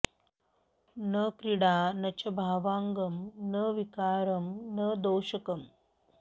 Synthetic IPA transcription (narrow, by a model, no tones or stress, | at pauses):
nɐkɾiɽaːnɐt͡ʃɐbʱaːʋaːŋɡɐmnɐʋikaːɾɐmnɐd̪oːʃɐkɐm